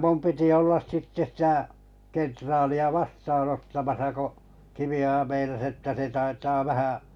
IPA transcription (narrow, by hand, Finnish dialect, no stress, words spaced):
mum piti olːɑs sitːe sĭtæˑ kentrɑːliɑ ʋɑstɑːnotːɑmɑsɑ ko kiʋiojɑ meinɑs etːæ se tɑitɑː ʋæhæʔ